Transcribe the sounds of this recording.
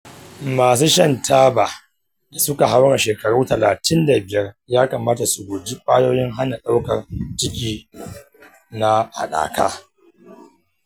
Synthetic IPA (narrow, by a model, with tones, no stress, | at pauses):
maː˨s̬u˦ʃɐ˦ntʰaː˦baː˨ | da˨sʊ˦ka˨ɦa˦wɽa˨ʃeː˨kɐ˨ɽuː˦tɐ˨laː˨tɪ˦nda˨bɪ˨jɐ˦rjaː˦kɐ˨maː˦ta˨su˨ɡʷoː˨d͡ʒi˦ɸʼaː˦joː˦jɪ˦ŋɦa˦na˨ɗa˦wkɐ˨rt͡ʃɪ˦kʲʼiː˦ | na˦ha̰˨ɗa̰ː˨ka̰ː˦